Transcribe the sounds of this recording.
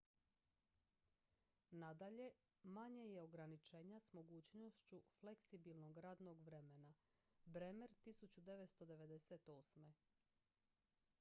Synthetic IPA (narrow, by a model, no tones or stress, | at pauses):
nad̪aʎe̞ | maɲeje̞o̞ɡɾanit͡ʃe̞ːɲasmo̞ɡuːt͡ɕnoʃt͡ɕufle̞ksibilnoɡɾaːd̪no̞ɡʋɾe̞mena | bɾemeɾt̪isut͡ɕud̪e̞ʋet̪st̪o̞d̪e̞ʋe̞d̪eset̪o̞ːsme